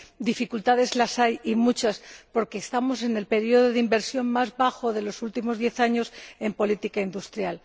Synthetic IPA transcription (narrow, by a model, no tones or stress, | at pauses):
d̪ifikult̪aðe̞zlasajimut͡ʃaspo̞ɾke̞ːst̪amo̞se̞ne̞lpe̞ɾio̞ðoðimbe̞ɾsjo̞nmazβaxo̞ðe̞lo̞sult̪imo̞zðje̞θaɲo̞se̞mpo̞lit̪ikaind̪ust̪ɾjal